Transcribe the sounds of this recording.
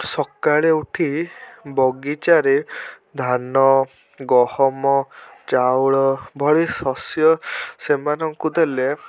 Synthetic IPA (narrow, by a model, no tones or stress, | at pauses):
sɔkaɭeuʈʰibɔɡit͡ʃaɾi | d̪ʱanɔ | ɡɔhɔmɔt͡ʃawɭɔbʱɔɭisɔsjɔsemanɔŋkud̪ele